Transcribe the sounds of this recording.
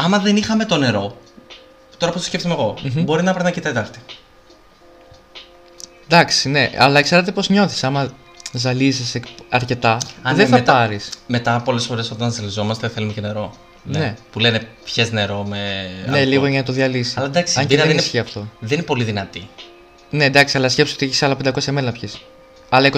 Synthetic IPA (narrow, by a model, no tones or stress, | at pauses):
ɐmɐðe̞nixɐme̞t̪o̞ne̞ɾo̞ | t̪o̞ɾɐpost̪osce̞ft̪izmeɣo̞m̩bo̞ɾinɐpɾɐnɐcit̪ɐt̪ɐlt̪i̥ | d̪ɐksine̞ɐlɐkse̞ɾɐt̪̬e̞po̞zɲo̞θi̥sɐmɐ | zɐlizisekɐɾce̞t̪ɐɐððeθɐp̪ɐɾisme̞t̪ɐpo̞le̞sfo̞ɾe̞so̞t̪ɐnzɐlizo̞mɐst̪eθe̞lumecene̞ɾo̞ | nneepule̞nepçezne̞ɾo̞mene̞liɣɣoʝɐnɐt̪o̞ðiɐlisi̥ɐlɐd̪ɐksɐɲɟeɐensçiɐft̪o̞ðeninepo̞liðinɐt̪i | nend̪ɐksiɐlɐscʲe̞psi̥ot̪ieçi̥sɐlɐpend̪ɐko̞sjɐmelɐpçis | ɐlɐeko